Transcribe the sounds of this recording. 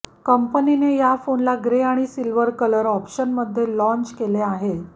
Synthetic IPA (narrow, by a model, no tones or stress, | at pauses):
kəmpəninejafonlaɡɾeaɽ̃isilʋəɾkələɾɔpɕənməd̪ʱːjelɔ̃ɲt͡ɕkeleaɦe